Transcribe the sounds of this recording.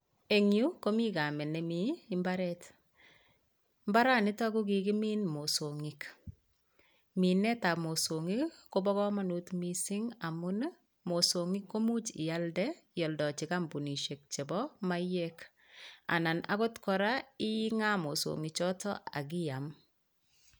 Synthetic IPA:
e˨ŋju˦ko˦mi˦ka˨mɛ˨nɛ˨miː˦mba˦ɾɛ˦t | mba˦ɾa˦˨nɪ˦tɔ˦ɡu˦ɡi˨kɪ˦mi˦nmo˨so˨ŋi˨k | mi˨nɛ˦ta˨mo˨so˨ŋi˦ko˦bɔ˦ɣɔ˦ma˦nu˨tmi˨sɪ˦ŋa˨mʊ˦n | mo˨so˨ŋi˦kːo˦mu˦t͡ʃɪ̰˨ja˦ldɛjɔ˨ldɔ˨t͡ʃɪ˨ka˦mbu˨ni˨ʃe˨k̚t͡ʃɛ˨bɔ˦ma˦jek | a̰˨na˨na̰˦ko˦tkɔ˨ɾa˦ɪ˦i˦ŋa˦mo˨so̰˨ŋi˨t͡ʃɔ˦tɔ̰˦a̰˨ɡɪ˦ja˨m

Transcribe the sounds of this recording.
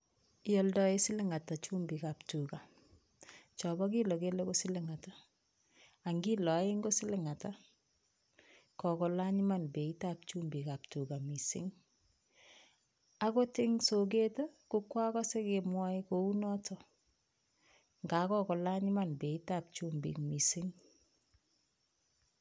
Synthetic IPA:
jɔ˨ldɔe˦sɪ˦lɪ˦ŋa˨ta˨t͡ʃu˦mbi˨ka˨ptuka˨ | t͡ʃɔ˨bɔ˦k̬i˦lo˨ke˦le˦ko˦sɪ˦lɪ˦ŋa˨ta˨ | a˨ŋɡi˦lɔ˨˦e˦ŋɡo˦sɪ˦lɪ˨ŋa˨ta˦ | kɔ˨kɔ˨la˦ɲi˦ma˦nbe˨i˦tap̚t͡ʃu˦mbi˨ka˨p̚tu˨ka˨misɪ̰˦ŋ | a˦ko˦tɪ˦ŋso˨k̬e˦ta˦kukwa˦kɔ˦se˦ke˨mwa˦ikou˦nɔ˦tʰɔ | ŋɡa˨kɔ˦kɔ˨la˦ɲɪ˦ma˨nbe˨i˦tap̚t͡ʃu˦mbḭ˨kmisɪ˦ŋ

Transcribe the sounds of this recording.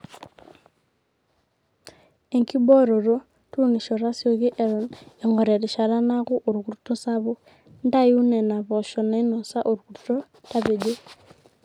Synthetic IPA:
e˨ŋki˦bɔ˦ɾo˨ɾo˦ | two˦ŋi˨ʃɔ˨ɾa˦sjo˨ki˦ʔɛ˨ɾɔ˨ne˨ŋɡɔ˨ɾɛ˨ɾi˨ʃa˨ɾa˦na˦ku˦ʔu˨ɾku˨ɾto˦sa˦βu˦ | nda˦ju˦nɛ˨na˨βɔ˨ʃɔ˨na˨i˦nɔ˨sa˦ʔo˨ɾku˨ɾto˦ | ta˦be˨d͡ʒe˦

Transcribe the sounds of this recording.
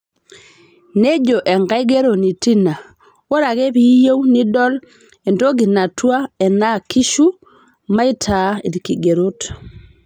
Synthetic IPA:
ne˦d͡ʒo˨ʔɛ˨ŋɡa˦i˦ɡe˦ɾo˨ni˨ti˦na˨ | wo˦ɾa˨ɣe˦pi˨˦je˦wni˦dɔ˦l | e˨ndo˦ɡi˨na˨twa˦ɛ˨na˦ki˦ʃu˦ | ma˦i˦tʰa˨˦i˨ɾki˨ɡe˨ɾo˦t

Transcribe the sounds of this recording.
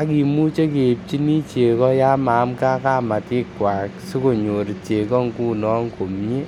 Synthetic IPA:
a˦ki˨mu˦t͡ʃe˦ke˨p̚t͡ʃi˦ni˦t͡ʃe˨kɔ˦ja˦ma˨˦mka˦ka˦˨ma˨tɪ˦kːwa˨ksu˦ko˨ɲo˨ɾi˨t͡ʃe˨kɔ˦ŋku˦nɔ˦ŋko˨mɲe˦

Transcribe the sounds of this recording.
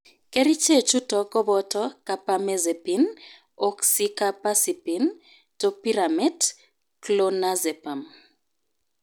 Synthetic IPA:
ke˦ɾi˦t͡ʃe˦˨t͡ʃu˦tɔ˨kɔ˦bɔ˦tɔ˦ka˨pa˦me˦ze˨pin | ɔ˦ksi˦ka˦pa˦si˨pi˨n | to˦pi˦ɾa˨mɛ˦d | klo˦na˦zɛ˨pa˨m

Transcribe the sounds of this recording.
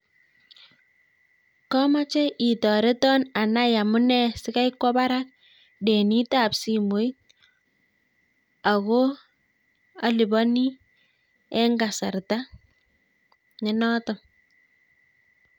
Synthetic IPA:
kɔ˦ma˦t͡ʃɛ˦ʔi˨tɔ˨ɾe˦tɔ˦na˨na˦ja˨mʊ˦nɛ˦sɪ˦ka˦jkwɔ˦ba˦ɾa˦k̚ | de˨ni˦ta˨psi˨mu˨j | a˨ko˦ | a˨li˨bɔ˦ni˦ | ɛ˦ŋɡa˨sa˨rta˦ | ŋɛ˦nɔ˦tɔ˨m

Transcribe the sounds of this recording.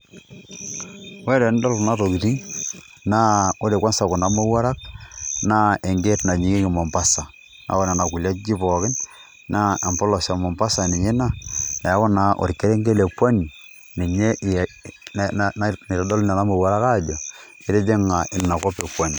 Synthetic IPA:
wɛ˦ɾɔ˨˦n˦dɔ˦lna˦to˨ki˨ti˦ŋ | na˦o˦ɾe˨kwa˦nsa˨kʊ˨na˨˦mo˦wa˦ɾa˦k̚na˦e˨ŋɡe˦tna˨ɲi˨ŋe˦kɪ˨mo˨mpa˦sa˨ | na̰˨˦kɔ˦na˨na˨ku˨la˦d͡ʒi˦pɔ˨kɪ˦n | na˦e˨mpɔ˦lɔ˨sa˨mɔ˨mpa˦sa˨nɪ˨ŋe˦na˦na˨˦kɔ˦na˨ʔo̰˨ɾke˦ɾe˦ŋɡe˦le˨pwa˦ni˨ | ne˨me˦˨˦ | ne˨ɾɔ˨dɔ˦lna˨na˦mo˨wa˦ɾa˦ka˦˨d͡ʒɔ˨ | e˦ɾe˦de˦ŋa˨ʔɪ˨na˨kɔ˦pe˨pwa˦ni˨

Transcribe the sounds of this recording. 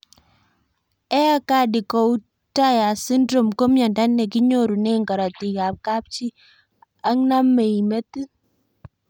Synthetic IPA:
ɛ˦a˦ka˦di˨kɔ˨u˦ | ta˦ja˨si˦ndɾo˨mko˦mja˨nda˦nːɛ˨ki˦ɲo˦˨ɾu˨nɛ˦ŋɡa˨ɾɔ˨ti˨ka˨p̚ka˦p̚t͡ʃi˦ | a˦ŋna˦me˨i˨me˦ti˦

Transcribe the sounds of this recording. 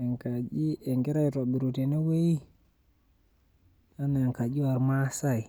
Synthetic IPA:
ɛ˨ŋkad͡ʒi˦ɛ˨ŋɡɛ˦ɾa˦jto˨ɓi˨ɾutɛ˨na˦we˦j | a˦na˨ŋka˨d͡ʒi˦wa˨ɾma˦sai˨

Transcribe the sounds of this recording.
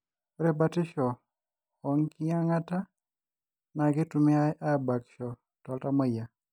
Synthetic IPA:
ɾɛ˨ba˦tɪ˦ʃɔ˨ | ɔ˨ŋki˦a˦ŋa˦ta˦ | na˨ɡɪ˦tumɪ˦a˦ʔa˦ba˨kʃɔ˨ | tɔ˨lta˦mɔ˦ja˨

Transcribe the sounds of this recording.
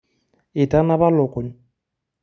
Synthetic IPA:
ɪ˨ta˦na˦βa˦lɔ˨ko˨n

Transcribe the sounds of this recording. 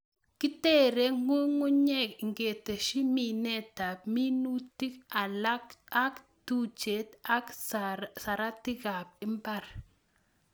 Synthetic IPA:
ki˦te˦˨ɾe˦ŋu˦ŋu˦ɲɛ˦˨kŋɡe˨te˨ʃi˦mi˨nɛ˦˨ta˨p̚mi˦nu˦ti˦ka˨la˦a˦k | tu˦t͡ʃe˨t̪a˦ksa˨ɾa˦ti˦ɣa˨p̚ɪ˦mba˦˨ɾ

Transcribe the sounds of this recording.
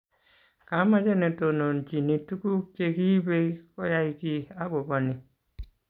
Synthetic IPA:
ka˨˦ma˦d͡ʒe˦ne˨to˨no˨nt͡ʃi˨ni˨tu˦ku˦t͡ʃe˨ki˦be˦ko˦ja˦iki˦a˦ɡo˨bo˨ni˨

